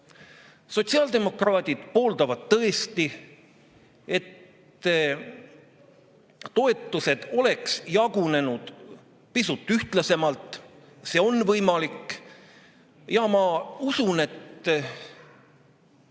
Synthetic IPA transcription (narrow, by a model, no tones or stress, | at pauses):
so̞t̪ʲsiɑːld̪e̞mo̞krɑːd̪̥ʲid̪̥po̞ːld̪ɑvɑd̪̥̚t̪ɤ̞est̪i | e̞t̪ː | t̪o̞e̞t̪ːˑuse̞d̪̥o̞le̞ksjɑɡ̥une̞nud̪̥ | pisut̪ːˑyht̪lɑse̞mɑlt̪ˑ | seːo̞nːvɤjmɑlikːˑ | jɑmɑusune̞t̪ː